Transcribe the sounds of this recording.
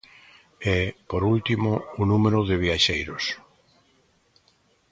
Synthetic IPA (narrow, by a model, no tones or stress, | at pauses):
ɛpoɾult̪imoːnũmeɾʊðɪβ̞iaʃejɾos